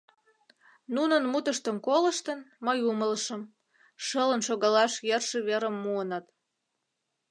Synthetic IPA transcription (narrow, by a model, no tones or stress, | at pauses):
nunə̆nmut̪əʃt̪əmkolə̆ʃt̪ənməjumələʃəm | ʃələnʃoɣɑlɑʃjerʃə̆βeɾəmːuənɑt̪